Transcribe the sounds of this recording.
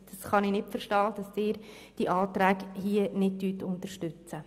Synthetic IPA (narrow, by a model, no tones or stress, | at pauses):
d̥ɑsχɑnɪnɪtfəɾʃtɑːd̥ɑsɪːɾ | d̥iʔɑːtɾæːkhiənɪd̚dyːtʊntəɾʃtʏt͡sə